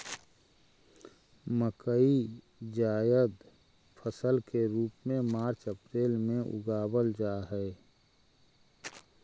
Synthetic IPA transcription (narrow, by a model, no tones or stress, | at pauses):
məkəi | d͡ʒaːjəd̪ | pʰəsəlkeɾuːpmẽmaːɾt͡ʃəpɾeːlmẽʔʊ̰ɡaːbəld͡ʒaːɦɛ